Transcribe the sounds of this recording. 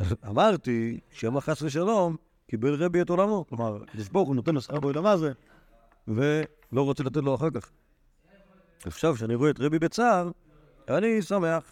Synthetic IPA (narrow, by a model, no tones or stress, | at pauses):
amaʁt̪iʃeamaχasʁeʃ̬alo̞m | kibelʁebietolamo̞klomaʁa̰kod̪iʃboʁχunot̪enasʁabeolamaze | ve | lo̞ʁot͡selat̪et̬lo̞aχakaχ | aχʃavʃeaniʁuetʁebibet͡saʁ | anisameaχ